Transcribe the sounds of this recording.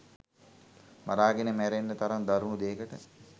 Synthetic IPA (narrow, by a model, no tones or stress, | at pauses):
maɾaːɡenəmæɾenːət̪aɾand̪aɾunud̪eːkəʈə